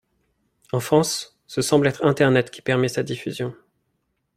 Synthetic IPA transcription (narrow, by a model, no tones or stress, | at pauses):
ɑ̃fχɑ̃sː | əsɑ̃blɛt̪χɛ̃t̪ɛʁnɛt̪kʲi̥pɛʁmɛsad̪ifyzjɔ̃